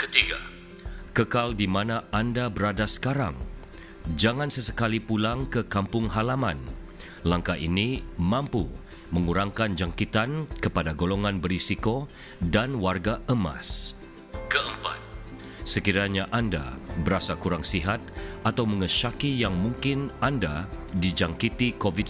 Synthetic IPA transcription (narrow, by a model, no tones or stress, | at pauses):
kət̪iɡa̰ | kəkaldimanaandabəɾadasə̥kaɾa̰ŋ | d͡ʒaŋansəsəkalipulaŋkəkampʊŋɦalamãn | laŋkaʔḭnimãmpu | məŋuɾaŋkand͡ʒaŋkit̪ankəpadaɡoloŋanbəɾisiko | danwarɡaəma̰s | kəʔəmpa̰t̪̚ | səkiɾaɲaʔanda̰bəɾasakuɾaŋsiɦat̪̚ʔat̪awməŋəʃakijaŋmũŋkɪnandadid͡ʒaŋkit̪ikovid